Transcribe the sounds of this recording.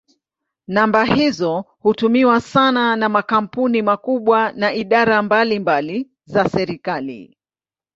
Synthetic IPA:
nambahizɔ | hutumiwasananamakam̩punimakuɓwanaiɗaɾambalimbali | zasɛɾikalḭ

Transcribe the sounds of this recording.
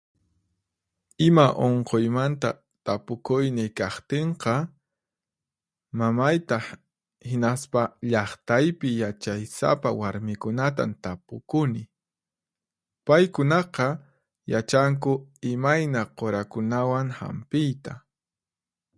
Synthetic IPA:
ɪmaʔoɴqojmant̪a̰ | t̪apʊkʊjnɪkɑχt̪eɴqɑ | mamajt̪ɑ | hɪnaspaʎɑχt̪ajpɪjat͡ʃajsa̰pawaɾmɪkʊnat̪a̰nt̪apʊkʊnɪ | pajkʊnɑqɑ | jat͡ʃaŋk̬ʊɪmajnaqoɾakʊnawaŋha̰mpɪjt̪a

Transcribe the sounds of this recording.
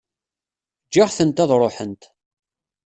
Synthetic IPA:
d͡ʒːaʁθənt̪ɑðˤɾˤoħənt̪

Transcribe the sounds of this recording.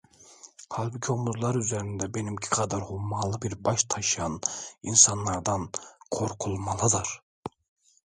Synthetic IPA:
hɑlʲˠbicʲʰomuzlˠɑɾyzæɾind̪ɛbenimcʰi̥qʰɑd̪ɑɾhumːɑːlˠɯbiɾbɑʃt̪ʰɑʃɯjɑnḭnsɑnlˠɑɾd̪ɑnqʰoɾqʰulˠmɑlˠɯd̪ɯɾ

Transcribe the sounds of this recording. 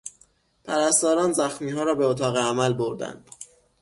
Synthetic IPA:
pʰæɾæst̪ɒːɾɒːnzæxmiːɦɒːɾɒːbeot̪ʰɒːɣeæmælboɾd̪æ̰nd̪̥

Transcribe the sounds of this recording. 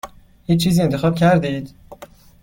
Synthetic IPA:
hiːt͡ʃʰːiːziːent̪ʰexɒːbcʰæɾd̪id̪̥

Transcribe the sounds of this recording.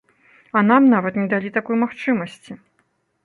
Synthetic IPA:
ɐn̪amnavɐt̪nʲɛd̪alʲit̪akɔjmaxt͡ʂɨmɐsʲt͡sʲi

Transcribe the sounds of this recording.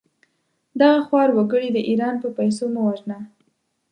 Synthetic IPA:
d̪aɣaxwɑɾwaɡəɽid̪əʔiɾɑnpəpajs̬omawaʒna

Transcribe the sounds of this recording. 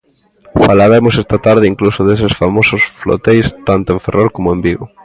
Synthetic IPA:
falaβemosest̪at̪aɾð̞ɪiŋklusʊðes̬ɪsfamosʊsflo̰t̪ejst̪ant̪oẽɱferoɾkomoẽmbiɣo

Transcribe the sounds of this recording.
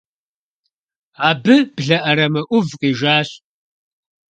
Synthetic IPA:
aːbɨb̥ɮɐʔɐɾɐmɐʔʷʊvqʼiːʒaːɕ

